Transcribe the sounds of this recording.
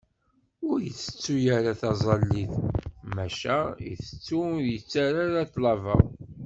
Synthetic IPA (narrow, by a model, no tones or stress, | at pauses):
ʊɾjət͡sːə̥t͡sːujaɾaθɑzˤɑlːiθmæʃæjə̰θə̥t͡sːuɾjət͡sːaɾaɾaθlɑvə